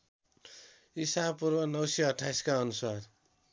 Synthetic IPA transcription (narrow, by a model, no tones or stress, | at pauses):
isapurbʌnʌwseʌʈʰːajskaʌnusar